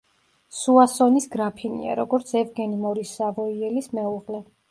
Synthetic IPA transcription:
suasɔnisɡɾapʰinḭa̰ɾɔɡɔɾt̪sʰɛvɡɛnimɔɾisːavɔiɛlismɛuʁlɛ

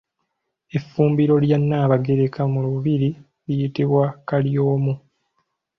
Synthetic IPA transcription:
e̞fːuːmbiɾo̞ljanːaːβaɡe̞ɾe̞kamuluβiɾi | lijitiβwakaljo̞ːmu

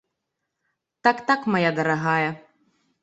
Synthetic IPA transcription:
t̪akt̪akmajad̪ɐɾɐɣajɐ

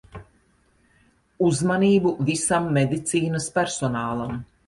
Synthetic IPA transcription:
uzmaniːbuvisamːed̪it̪siːnɐspʲæɾsɔnaːlˠam

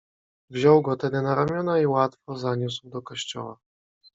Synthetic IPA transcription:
vʑɔwɡɔt̪ɛd̪ɘnaɾamʲjɔnaiwat̪fɔzaɲuswd̪ɔkɔɕt͡ɕɔ̰wa

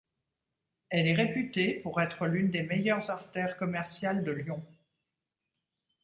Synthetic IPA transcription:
ɛlɛʁepyt̪epuʁɛt̪χəlynd̪emejœʁzaʁt̪ɛʁkɔmɛʁsjald̪əljɔ̃

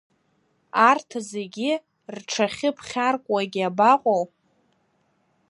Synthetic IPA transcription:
artʰze̞ɡʲi | rʈ͡ʂʰaχʲɪpʰχʲarkʷʼwaɡʲabaqʷʼow

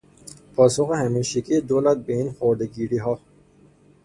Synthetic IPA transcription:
pʰɒːsoxehæmiʃikʰid̪olæt̪̚beiːnxoːɾd̪eɡiːɾiɦɑː

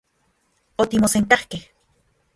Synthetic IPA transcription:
ot̪imoseŋk̪ahkeh

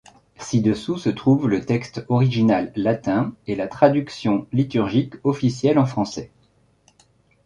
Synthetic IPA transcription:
sid̪əsusət̪χuvlət̪ɛkst̪ɔʁiʒinalːat̪ɛ̃ɛlat̪χad̪yksjɔ̃lit̪yʁʒikɔfisjɛlɑ̃fχɑ̃sɛ

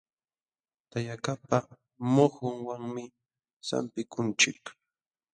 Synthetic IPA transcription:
t̪ajakapa | mohʊŋwaŋmɪ | sa̰mpɪkʰʊnt͡ʃɪk

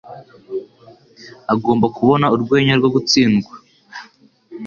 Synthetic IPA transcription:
aɡo̞ːmbakʰuβo̞nauɾɡwe̞ːɲaɾɡoɡut͡siːnɡwa

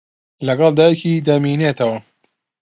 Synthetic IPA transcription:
lɐɡɑlˠd̪aːjecid̪ɐmiːneːt̪ʰɐwɐ

